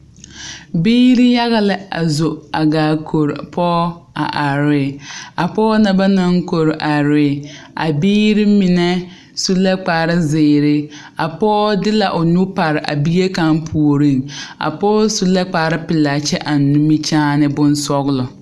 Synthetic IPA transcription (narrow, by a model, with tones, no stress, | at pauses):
biː˦ɾɪ˦ja˦ɣa˦lɪ˨a̰˨zo˨a˨ɡaː˨kʰo˨ɾpʰɔː˦a̰˨ʔa˨ɾɪ˨˦a˨pɔː˦na˨ba˦na˦ŋko˨ɾʔa˨ɾɪ˦ʔa̰˨biː˦ɾɪ˦mɪ˨nɛ˦ | su˦lɛ˦k͡paː˨ɾɪ˦zɪː˨ɾɪ˦ | a˨pɔː˦dɪ˦la˨ʔʊ˨nu˦pa˨ɾɪ˨ʔa̰˨bi˦e˦ka˦ŋpʰu˨o˨ɾi˦˨ŋa̰˨pɔː˦su˦lɛ˦k͡pa˨ɾɪ˦pɪ˨la˨t͡ʃɛ˦ʔa˨nː˨˦u˦mi˦t͡ʃaː˦nɪ˦bʊ˦n˦sɔ˦ɣlɔ˨